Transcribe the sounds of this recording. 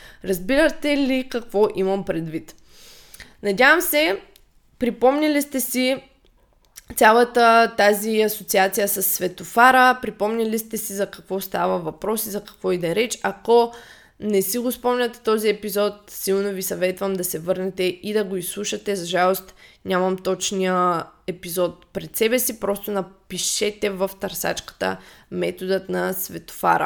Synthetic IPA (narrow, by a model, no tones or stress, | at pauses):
ɾɐzbiɾət̪ɛlikɐkvɔʔimɐmpɾɛd̪vit̪ | nɐdʲjavəmsɛ | pɾipɔmnʲɛlist̪ɛsi | t̪sʲalˠət̪ət̪aziɐsot̪siat̪sijəsɐsːvɛt̪ofaɾəpɾipɔmnʲɐlist̪ɛsizɐkɐkvɔst̪avəvɐpɾɔsizɐkɐ̥kvɔid̪ɛɾɛt͡ʃɐkɔ | nɛsiɡospɔmnʲət̪ɛt̪ɔziɛpizɔt̪̚silˠnovisɐvɛt̪vəmd̪ɐsɛvɤɾnɛt̪ɛid̪ɐɡoislˠuʃɐt̪ɛzɐʒalˠost̪ɲʲamɐmt̪ɔt͡ʃnijəɛpizɔt̪̚pɾɛt̪sɛbɛsipɾɔst̪onɐpiʃɛt̪ɛvəft̪ɐɾsa̰t͡ʃkə̥t̪ə̰mɛt̪od̪ət̪nɐsvɛt̪o̥fa̰ɾə̰